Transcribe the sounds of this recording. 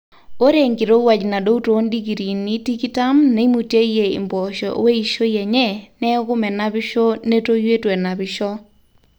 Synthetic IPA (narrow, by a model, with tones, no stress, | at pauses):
o˦ɾe˨ŋɡɪ˨ɾo˦wa˨d͡ʒna˨do˦u˦to˨˦ndi˦ki˨ɾi˨ni˦ti˦ki˦ta˦mne˨˦i˦mu˨te˦i˦je˨ɪ̰˨mbɔ˨ʃɔ˨˦we˦i˨ʃo˦jɛ˨ɲɛ˦nɛ˦ɣʊ˦mɛ˨na˦bɪ˦ʃɔ˦ne˦to˦jwe˦twɛ˨na˨bɪ˨ʃɔ˦